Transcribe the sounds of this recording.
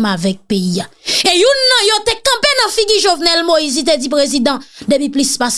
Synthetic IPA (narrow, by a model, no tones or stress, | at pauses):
mavɛk̚peiaejunːɐ̃jot̪ekɐ̃penɐ̃fiɡiʒovnɛlmoizit̪̬ed͡zip̬ʁezid̪ãd̪epiplispas